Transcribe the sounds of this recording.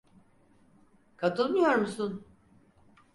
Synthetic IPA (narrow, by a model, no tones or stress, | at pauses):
kʰat̪ʰɯlˠmɯjo̞ɾmusun